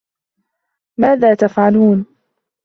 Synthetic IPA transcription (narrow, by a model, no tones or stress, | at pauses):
maːðaːt̪afʕaluːn